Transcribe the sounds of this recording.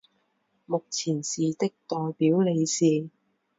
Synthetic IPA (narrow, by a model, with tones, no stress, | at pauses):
mʊ˨k̚t͡sʰiː˨˩nsiː˨t̪ɪ˥k̚t̪ɔː˨jpiː˨˥wle˨˧jsiː˨˧